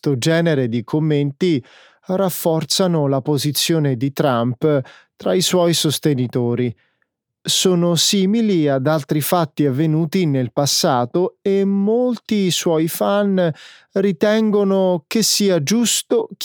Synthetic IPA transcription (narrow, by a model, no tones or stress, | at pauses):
t̪od͡ʒɛːneɾed̪ikʰomːent̪i | rafːɔrt̪sanolapozit̪sːjoːned̪it̪ɾamp | t̪ɾaiswɔjsost̪enit̪oːɾi | soːnosiːmiliad̪alt̪ɾifat̪ːiavːenuːt̪inelpasːaːt̪oemːolt̪iswɔːjifanrit̪ɛŋɡonok̟esːiːad͡ʒust̪ok